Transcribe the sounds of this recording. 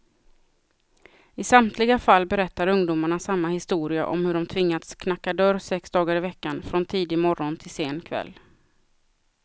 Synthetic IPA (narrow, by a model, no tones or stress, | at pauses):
ɪsamt̪ʰlɪɡafalːbɛɾɛt̪ːaɾɵŋd̪ʊːmaɳasamːahɪst̪uːɾɪa̰ʔɔ̰mhɵɖɔmt̪ʰvɪŋːat̪skʰnakːad̪œɾsɛksd̪ɑːɡaɾɪvɛkːanfɾɔnt̪ʰiːd̪ɪmɔɾɔnt̪ʰɪlseːnkʰvɛ̰lː